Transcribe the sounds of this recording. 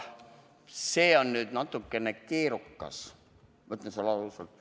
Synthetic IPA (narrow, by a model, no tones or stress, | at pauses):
se̞ːo̞nːyːd̪nɑt̪ːˑukːe̞ne̞ke̞ːɾukːɑ̰s | mɤt̪ːˑlensɑlɑlusɑlt̪̚ˑ